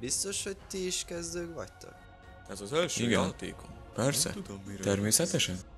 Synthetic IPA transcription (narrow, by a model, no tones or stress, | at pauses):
bist̪o̞ʃho̞c̚t̪iːʃkɛzd̪øːkvɒ̰ct̪o̰k | ɛzɒzølʃiɡɛnt̪ḛːkʰon | pɛrsɛ̰ud̪t̪ɛrmeːsɛt̪ɛʃɛn